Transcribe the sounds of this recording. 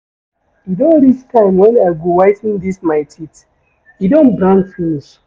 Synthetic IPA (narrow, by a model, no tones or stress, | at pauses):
idɔ̃nɾit͡ʃtʰãɪ̃mwɛ̃naɪɡowaɪtĩndismaɪtʰit | idɔ̃nbɹãnsũns